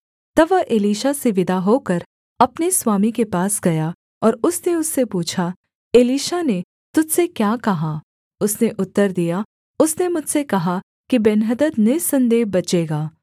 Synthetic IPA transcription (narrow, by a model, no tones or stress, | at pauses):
t̪ɐʋɐʔeːliːʃaseʋɪd̪ʱaɦokɐɾ | ɐpneswaːmikepaːsɡɐja | ɔːɾʊsneʊsːepuːt͡ʃʰa | eːliːʃane | t̪ʊd͡ʒsekjaːkɐɦaː | ʊsneʔʊt̪ːəɾd̪ija | ʊsnemʊd͡ʒʱsekɐɦa | kibɛnɦəd̪əd̪neːsɐ̃nd̪eːɦbɐt͡ʃeːɡaː